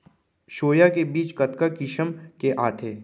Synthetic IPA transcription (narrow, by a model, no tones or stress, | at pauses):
ʃoːjakebiːt͡ʃkɐt̪kakɪʃəmkeʔaːt̪ʰeː